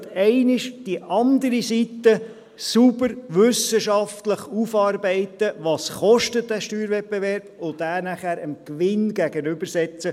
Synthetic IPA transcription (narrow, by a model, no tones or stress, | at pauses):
tɛɪnɪʃd̥iʔɑnd̪əɾisit̪ːə | subəɾʋʏsəʃɑft̪ləχufɑːɾbɛɪt̪əʋɑːsχɔʃtət̚d̥̪æʃtyːɾvɛp̚b̥evɛrb̥ʊdæːnæχæːɾəmkʋɪnɡæɡənʏbəɾsɛt͡sə